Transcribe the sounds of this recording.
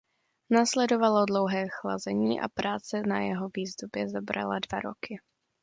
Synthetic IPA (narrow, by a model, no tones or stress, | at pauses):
naːslɛdo̞valodlowɦɛːxla̰zɛɲiːʔa̰pɾʔaːt͡sɛnajɛɦoviːzd̪ubjɛzabɾa̰ladvaɾo̞̰kɪ